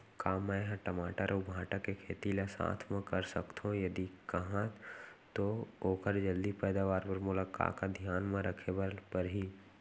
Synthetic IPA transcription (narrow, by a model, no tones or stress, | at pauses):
kaːmːɛ̃ɦãʈɐmaːʈəɾʊbʱãːʈakekʰeːt̪ilasã̰ːt̪ʰmẽkɐɾsɐkt̪ʰõjɐd̪ikɐɦãt̪ooːkəɾd͡ʒɐld̪ipɛːd̪aːʋaːɾpɐɾmʊlaːka̰ːkad̪ʱjaːnmẽɾəkʰebəlpɐɾɦi